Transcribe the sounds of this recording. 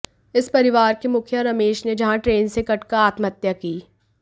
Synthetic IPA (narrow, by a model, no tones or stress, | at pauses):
ɪspɐɾɪʋaːɾkemʊkʰjəɾɐmeːʃned͡ʒɐɦãʈɾeːnsekɐʈkaaːt̪mɐt̪jakiː